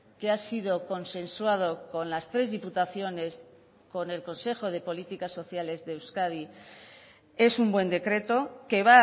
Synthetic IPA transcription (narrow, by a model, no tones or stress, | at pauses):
keasið̞o̞ko̞nsẽ̞nswað̞o̞ko̞nlast̪ɾe̞zðiput̪aθjo̞ne̞s | ko̞ne̞lko̞nse̞xo̞ð̞e̞po̞lit̪ikasːo̞θjale̞zðeːwskaði | e̞sumbwe̞nd̪e̞kɾe̞t̪o̞ke̞βa